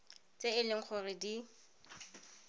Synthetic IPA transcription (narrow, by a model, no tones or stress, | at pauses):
t͡sʼeɪlɪŋ̩k͡xʰʊrɪdi